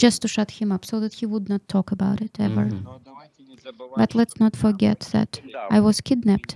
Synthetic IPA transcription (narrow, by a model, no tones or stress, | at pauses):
d͡ʒʌstuʃʌt̚hɨ̃mʌpsoʊðɨt̚hiwʊdnətʰːɔkəbaʊɾɪtɛvə̰˞ | b̥ʌtʰˡlɛtsnətfə˞ɡɛt̪̚ðɨ̰ɾʔaɪwʌz̥kʰɪdⁿnæp̚t